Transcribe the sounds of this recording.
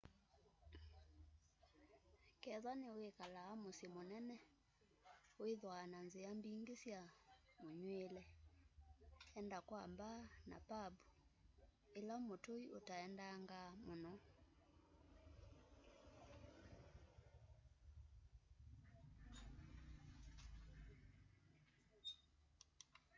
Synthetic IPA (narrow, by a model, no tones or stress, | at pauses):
kɛðwaneoekalaːmosemonɛnɛ | oeðwananzeambiŋɡesjamoɲwelɛ | ɛndakwambana̰pabu | elaomotoiotaɛndaŋɡamonɔ